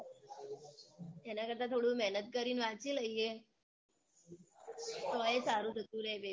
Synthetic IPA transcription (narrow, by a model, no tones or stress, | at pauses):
ɛnakəɾt̪at̪ʰoɽũmɛɦnət̪̚kəɾiːnʋat͡ɕiləije | t̪ɔjesaɾuːd̪ʱət̪ũːɾebe